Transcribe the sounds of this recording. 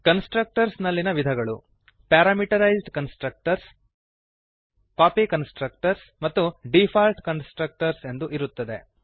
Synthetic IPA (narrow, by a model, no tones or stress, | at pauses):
kɐnsʈɾɐk̚ʈɐɾsnɐlːinɐʋid̪ʱɐɡɐɭu | paːɾaːmiʈɐɾɐjzɖkɐnsʈɾɐk̚ʈɐɾs | kaːpikɐnsʈɾɐk̚ʈɐɾs | mɐt̪ːuɖipʰaːlʈkɐnsʈɾɐk̚ʈɐɾse̞nd̪uʔiɾut̪ːɐd̪e̞̰